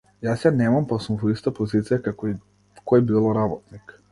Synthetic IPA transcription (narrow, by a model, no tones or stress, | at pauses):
jasjanɛmampasumvoist̪apozit̪sijakak | kʰoɛbilˠɔɾabɔt̪nik